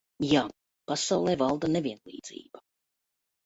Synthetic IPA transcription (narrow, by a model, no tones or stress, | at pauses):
jaː | pasawlˠɛːvalˠd̪anevʲiɛnlˠḭːd̪zḭːb̥a